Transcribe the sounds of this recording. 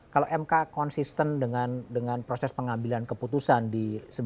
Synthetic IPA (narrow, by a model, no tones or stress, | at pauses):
kaloʔɛmkakɔnsist̪əndəŋandəŋanpɾosɛspəŋambilankəput̪usandisəb